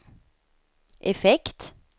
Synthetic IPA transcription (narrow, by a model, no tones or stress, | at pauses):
ʔɛfɛkt̪